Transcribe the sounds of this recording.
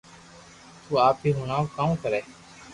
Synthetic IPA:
t̪uːaːp̚iːɦʊnaːkaːm̃ːkəɾeː

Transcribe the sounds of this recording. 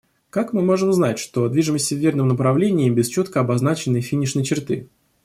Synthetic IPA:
kakmɨmo̞ʐɨmznatʲʂt̪o̞d̪vʲiʐɨməsʲtʲɪvʲːernɨmnəpɾɐvlʲenʲɪjɪmbʲɪst͡ɕot̪kəɐbɐzn̪at͡ɕɪnːɨjfʲinʲɪʂnəjt͡ɕɪrt̪ɨ̰

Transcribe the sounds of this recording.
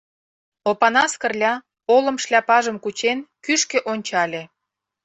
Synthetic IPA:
opɑnɑskə̆rlʲɑ | olə̆mʃlʲɑpɑʒə̆mkut͡ɕenkyʃkeʔonʲt͡ɕɑlʲe

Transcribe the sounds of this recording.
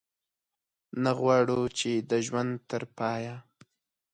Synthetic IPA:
naɣwɑɽut͡ʃed̪əʒwand̪t̪əɾpɑja

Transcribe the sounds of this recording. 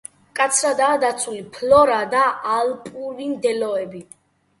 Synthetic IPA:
kʼat̪sʰɾad̪aːd̪at̪sʰulipʰlɔɾad̪aʔalpʼuvind̪ɛlɔɛbi

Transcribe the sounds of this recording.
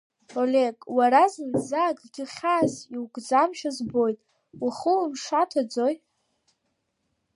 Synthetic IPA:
oleɡʼwaɾazɨnzaːɡʼɡʲɪχʲaːziwɡʼd͡zamʃazbo̞jtʼ | uχumʂatʰad͡zoj

